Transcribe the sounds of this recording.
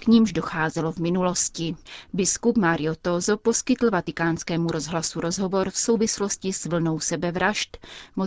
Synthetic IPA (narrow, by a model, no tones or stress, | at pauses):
kɲimʒdo̞xaːzɛlovmɪnulo̞scɪbɪskupmaɾɪjot̪ozopo̞skɪt̪l̩vat̪ɪkaːnskɛːmuɾo̞zɦlasuɾo̞zɦo̞vo̞ɾfso̞wvɪslo̞scɪsvl̩no̞wsɛbɛvɾaʃt̪mo